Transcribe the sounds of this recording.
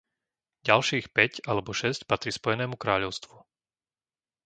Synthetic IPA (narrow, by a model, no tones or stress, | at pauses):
ɟalʃiːxpɛcalɛbɔʃɛscpat̪ɾispɔjɛnɛːmukɾaːʎɔʊst̪ʋu